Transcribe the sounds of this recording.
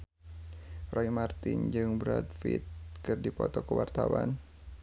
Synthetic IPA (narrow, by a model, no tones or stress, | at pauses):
rɔimart̪ind͡ʒɨŋbəɾat̪fit̪̚kɨrdipɔt̪ɔkəwart̪awan